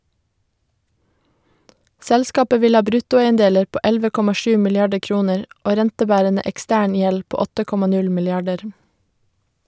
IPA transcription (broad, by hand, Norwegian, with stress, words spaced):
ˈsɛlskɑːpə ˈʋɪl ˈhɑː ˈbɾʉtʊˌæɪənˌdeːləɾ ˈpoː ˈɛlʋə ˈkɔmɑ ˈʃʉː mɪlɪˈɑɖə ˈkɹuːnəɹ ˈoː ˈɾɛntəˌbæːɾənə ʔɛkˈstæːɳ ˈjɛl ˈpoː ˈɔtə ˈkɔmɑ ˈnʉl mɪlɪˈɑɖəɾ